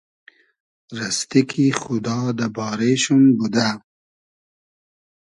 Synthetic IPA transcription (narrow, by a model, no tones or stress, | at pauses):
ɾast̪ikʰixʊd̪ɑːd̪əbɑːɾeʃumbud̪a